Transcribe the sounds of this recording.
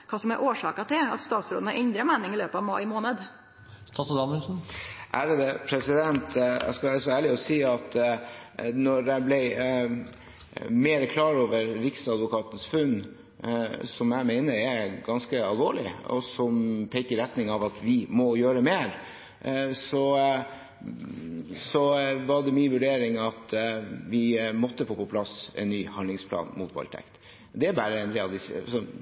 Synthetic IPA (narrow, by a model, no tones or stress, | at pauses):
kʰɑːsɔmæɾʔoːʂɑːkɑt̪ʰɪlɑ̰t̪st̪ɑːt̪sɾo̰ːd̪n̩ɑɾʔɛnd̪ɾəmæːnɪŋɪløːpəɑʋmɑɪmoːnəd̪ | st̪ɑt̪ɔd̪ɑməlsn̩ʔæɾd̪ɛpʰɾɛsɪd̪ɛnt̪ʰæ̰skɑʋæːɾəsɔæːɭɪɔsiːɑt̪ | nɔɾdæblɛɪ | meːɾəkʰlɑːɾoːʋəɾɾɪksɑd̪ʋʊkʰɑːt̪ən̩sfʉnː | sɔmjæɪmeɪnəɾɛɡɑnskəɑlˠʋoːɭɪɔ̰sɔmpʰɛɪkəɾɛt̪nɪŋɑʋɑt̪ʋɪmɔjøːɾəmeːɾ | sɔ | sɔʋɑɖɛmiːnʋʉɖeːɾɪŋɑt̪ʋɪmɔt̪ːəfoːpɔpʰlɑsɛ̰nːyːhɑnlɪŋspʰlɑ̰ːnmuːt̪̚bɑ̰lt̪ʰɛ̰kt̪ | d̪ɛæbæːɾəɛnlɪɑd̪ɪssɔ